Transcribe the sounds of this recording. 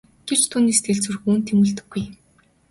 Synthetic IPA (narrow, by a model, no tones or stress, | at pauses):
ɡ̥er̥t͡ɕt̪ʰuːniːst̪ʰeɮt͡sŭrxuːnt̪ʰemuːɮt̪ɵ̆ɡːuj